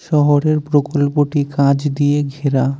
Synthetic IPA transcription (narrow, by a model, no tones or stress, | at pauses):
ʃɔɦoɾeɾpɾokolpoʈikãd͡ʑd̪ijeɡʱeɾa